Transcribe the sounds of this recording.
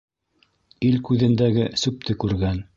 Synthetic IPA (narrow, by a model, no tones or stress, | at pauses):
ilkʉðɘ̆nd̪æɡɘsʉp̚t̪ɘkʉɾɡæn